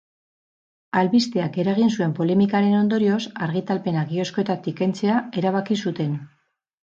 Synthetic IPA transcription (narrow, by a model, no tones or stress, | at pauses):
alβist̪e̞ake̞ɾaɣ̞insue̞mpo̞le̞mikaɾe̞no̞nd̪o̞ɾio̞saɾɣ̞it̪alpe̞naɣio̞sko̞e̞t̪at̪ike̞nt͡se̞ae̞ɾaβ̞akisut̪e̞n